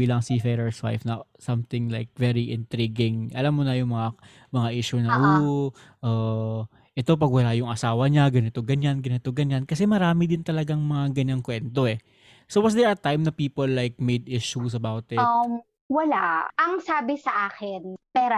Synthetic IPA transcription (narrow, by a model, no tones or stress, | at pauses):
iːlɐŋsifɛɾɛɹswa̰jfnɐsɐmt̪ɪŋlajk̚vɛɹiʔɪnt̪ɾiɡɪŋʔɐlamːonɐjʊŋmɐŋa | mɐŋaʔiʃunɐʔu | ʔɐː | ʔɛt̪o̞p̬ɐɡwɐlajʊŋɐsaːwɐɲaɡɐnɪt̪o̞ɡɐɲanɡɐnɪt̪o̞ɡɐɲːankɐsɛmɐɾaːmɪd̪ɪnt̪ɐlɐɡaŋmɐŋaɡɐɲːaŋkwɛnt̪o̞ɛ | sowɐsd̪ɛɹɐt̪ajmnɐpiːpolːajk̚mejd̪ɪʃus̬ɐbawt̪ɪ | wɐlaʔɐŋsaːbɪsɐʔaːkɪnpɛːɾo